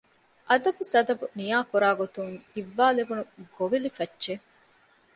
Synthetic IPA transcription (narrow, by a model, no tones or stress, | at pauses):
ʔɐd̪ɐbusɐd̪ɐbunijaːkuɾaːɡot̪uŋiʋːaːlebunuɡ̥oʋilifɐtːʃe